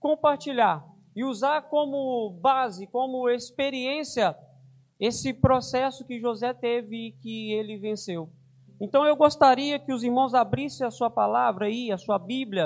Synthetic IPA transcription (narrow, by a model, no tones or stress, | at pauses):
kõpaɾt͡ʃiʎaɾ | ɪuzaɾkõmʊbazɪkõmʊespeɾiẽsiɐ | esɪpɾosɛsʊkɪʒozɛt̪evɪːkɪelɪvẽsew | ẽnt̪ɐ̃w̃ewɡost̪aɾiɐkɪʊziɾmɐ̃w̃zabɾisẽɐsuɐpalavɾɐiɐsuɐbiblʲjɐ